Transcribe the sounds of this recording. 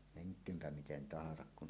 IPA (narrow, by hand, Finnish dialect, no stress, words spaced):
meŋkˑøːmpæ miten tɑhɑsɑk kun